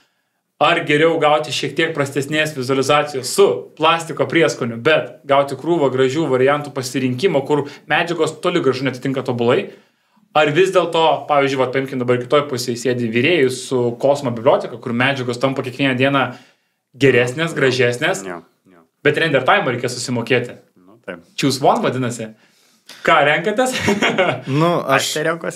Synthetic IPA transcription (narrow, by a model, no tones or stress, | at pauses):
ɐrɡʲɛɾʲɛʊɡɐʊt̪ʲɪʃʲiɛkt̪ʲiɛk̚pɾɐsʲt̪ʲɛsʲnʲeːsʋʲɪzʊɐlʲɪzɑːsʲɪjoːssʊplˠɑːsʲt̪ʲɪkoːpʲiɛskoːnʲʊbʲɛt̪ɡɐʊt̪ʲɪkɾuːʋɐɡɾɐʒʲuːʋɐɾʲɪjænt̪uːpɐsʲɪɾʲɪŋʲkʲimoːkʊɾmʲæːd͡ʒʲɛɡoːst̪oːlʲɪɡɾɐʒʊnʲɛt̪ʲɪt̪ʲɪŋkɐt̪oːbʊlˠɐɪ | ɐrʋʲɪzd̪ʲeːlˠt̪oːpɑːʋʲiːzʲd͡ʒʊɪʋɐt̪̚pɐɪmʲkʲɪmʲd̪ɐbɐɾɪkʲɪt̪oːjpʊsʲeːjɪsʲeːd̪ʲɪʋʲiːɾʲeːjɪsʊkoːsmoːbʲɪbʲlʲoːt̪ʲɛkɐkʊɾmʲæːd͡ʒʲɛɡoːst̪ɐmpɐkʲeɛkʋʲiɛnʲɛd̪ʲiɛnɐ | ɡʲɛɾʲæːsʲnʲeːsɡɾɐʒʲæːsʲnʲeːs | b̥ʲɛt̪ɾʲɛnʲd̪ʲɛrt̪ɑːɪɪmoːɾʲɛɪkʲeːɛsʊsʲɪmoːkʲeːt̪ʲɪ | ʊt̪ɐpt͡ʃʲjuːsʋoːnʋɐd̪ʲɪnɐsʲɪ | kɑːɾʲɛŋkɐt̪ʲes | nʊɐʃtʲɛɾʲɛŋkos